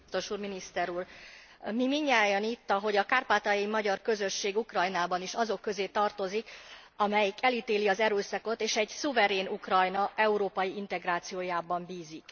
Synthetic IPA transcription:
t̪o̞ʃuːrminist̪ɛɾuːr | mimiɲːaːjonit̪ːɒɦo̞ɟɒkaːrpaːt̪ɒjimɒɟɒrkø̞zø̞ʃːeːɡukrɒjnaːbɒniʃɒzo̞kːø̞zeːt̪ɒrt̪o̞zik | ɒmɛjikɛlit̪eːliɒzɛɾøːsɒko̞t̪eːʃɛɟsuvɛɾeːnukrɒjnɒʔɛuɾoːpɒjiin̪t̪ɛɡraːt̪sijoːjaːbɒmbiːzik

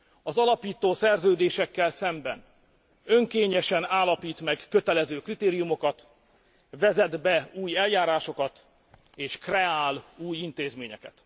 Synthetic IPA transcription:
ɒzɒlɒpiːt̪oːsɛrzøːd̪eːʃɛkːɛlsɛmbɛn | ø̞ŋkeːɲɛʃɛnaːlɒpiːt̪mɛɡkø̞t̪ɛlɛzøːkrit̪eːɾijumo̞kɒt̪ | vɛzɛd̪bɛuːjɛljaːɾaːʃo̞kɒt̪ | eːʃkrɛaːluːjint̪eːzmeːɲɛ̰kɛ̰t̪

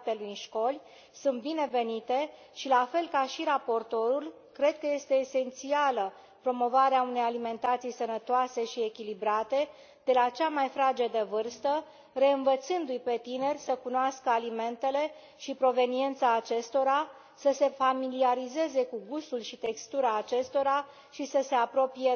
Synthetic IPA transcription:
pelujnʃko̞lʲ | sunt̪̚bine̞ve̞nit̪e̞ | ʃilafe̞lkaʃiɾapo̞rt̪o̞ɾul | kɾe̞d̪̚kəje̞st̪e̞ːse̞nt̪sialə | pɾo̞mo̞vaɾeaune̞jalime̞nt̪at̪sijsənət̪oase̞ʃie̞kʲilibɾat̪e̞ | d̪̥e̞lat͡ʃamajfɾad͡ʒed̪evɨrst̪ə | re̞ɨnvət̪sɨnd̪ujpe̞t̪ine̞rʲsəkunoaskəalime̞nt̪e̞le̞ | ʃipɾo̞ve̞nie̞nt̪saːt͡ʃe̞st̪o̞ɾa | səse̞familiaɾize̞ze̞kuɡust̪ulʃit̪e̞kst̪uɾaːt͡ʃe̞st̪o̞ɾa | ʃisəse̞apɾo̞pije

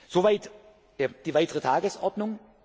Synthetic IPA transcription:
z̥ovaɪt | d̥eːd̥iːvaɪtəʁətʰaːɡəsʔɔɐdnʊŋ

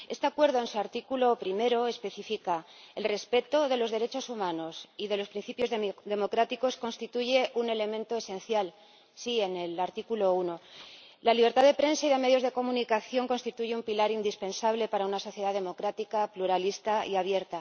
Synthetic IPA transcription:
e̞st̪e̞akwe̞ɾðo̞e̞nsuaɾt̪ikulo̞pɾime̞ɾo̞espe̞θifikae̞lre̞spe̞t̪o̞ðe̞lo̞zðe̞ɾe̞t͡ʃo̞sumãno̞siðe̞lo̞spɾin̟θipjo̞zdðe̞mo̞kɾat̪iko̞sko̞nst̪it̪uʝe̞ʔune̞le̞mẽnt̪o̞e̞sẽ̞nθjal | sie̞ne̞laɾt̪ikulo̞uno̞ | laliβɾt̪aðe̞pɾe̞nsaiðeme̞ð̞jo̞zðe̞ko̞mũnikaθjo̞ŋko̞nst̪it̪uʝe̞umpilaɾind̪ispẽ̞nsaβle̞paɾaunaso̞θje̞ð̞aðe̞mo̞kɾat̪ikapluɾalist̪aḭaβ̞je̞ɾt̪a

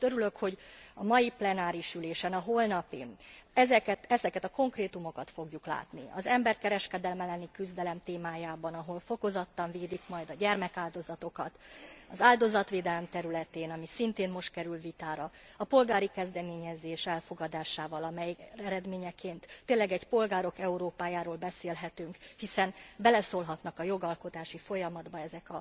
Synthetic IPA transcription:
t̪øɾylø̞kho̞ɟɒmɒjiplɛnaːɾiʃyleːʃɛnɒɦoːlnɒpḭnɛzɛkɛɛzɛkɛt̪ɒko̞ŋkreːt̪umo̞kɒt̪fo̞ɡjukla̰ːt̪nḭɒ̰zɛmbɛrkɛɾɛʃkɛd̪ɛlmɛlɛnikyzd̪ɛlɛmt̪eːmaːjaːbɒnɒɦo̞lfo̞ko̞zɒt̪ːɒɱveːd̪ikmɒjd̪ɒɟɛrmɛkaːld̪o̞zɒt̪o̞kɒt̪ɒzaːld̪o̞zɒt̪ʋeːd̪ɛlɛmt̪ɛɾylɛt̪eːnɒmisint̪eːnmo̞ʃt̪̚kɛɾylvit̪aːɾɒɒpo̞lɡaːɾikɛzd̪ɛmeːɲɛzeːʃɛlfo̞ɡɒd̪aːʃaːvɒlɒmɛjɛɾɛd̪meːɲɛkeːnt̪ːeːnlːɛɡɛɟpo̞lɡaːɾo̞kɛuɾoːpaːjaːɾoːlbɛseːlɦɛt̪yŋkhisɛnbɛlɛsoːlɦɒt̪nɒkɒjo̞ɡɒlko̞t̪aːʃifo̞jɒmɒd̪bɒɛzɛkɒ

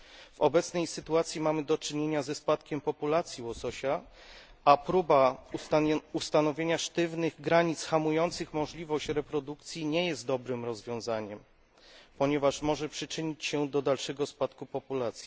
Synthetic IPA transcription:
v̥ɔ̰bɛt̪snɛjsɘt̪uat̪sʲjimamɘd̪ɔt͡ʂɘɲeɲazɛspat̪kʲɛmpɔpulat̪sʲjiwɔsɔɕa | apɾuba | ust̪anɔvʲjeɲaʂt̪ɘvnɘɣɡɾaɲit̪sxamujɔnt̪sɘxmɔʐlʲivɔɕt͡ɕɾɛpɾɔd̪ukt̪sʲjiɲɛjɛst̪̚d̪ɔbɾɘmɾɔzvʲjɔ̃w̃zaɲɛm | pɔɲɛvaʂmɔʐɛpʂɘt͡ʂɘɲit͡ɕɕɛd̪ɔd̪alʂɛɡɔspat̪kupɔpulat̪sʲji

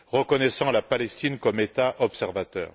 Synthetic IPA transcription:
ʁəkɔnɛsɑ̃lapalɛst̪inkɔmet̪aʔɔpsɛʁvat̪œ̰ːʁ

